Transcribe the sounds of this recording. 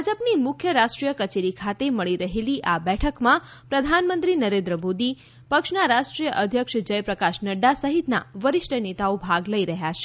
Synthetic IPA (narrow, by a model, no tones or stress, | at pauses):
d͡ʒəpnimʊkʰjəɾaʃʈɾijəkət͡ʃeɾikʰat̪eməɭiɾəɦeliʔabɛʈʰəkmã | pɾəd̪ʱanmənt̪ɾinəɾẽnd̪ɾəmod̪i | pəkʃnaɾaʃʈɾijəʔəd̪ʱjəkʂd͡ʒəjpɾəkaʃnəɖasəɦit̪na̰ʋəɾɪʃʈʰənet̪aobʱaɡləiɾəɦjat͡ʃʰe̥